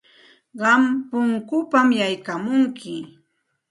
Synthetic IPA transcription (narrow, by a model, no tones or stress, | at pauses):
ɢɑmpʊŋkʊpamjajkamʊŋkɪ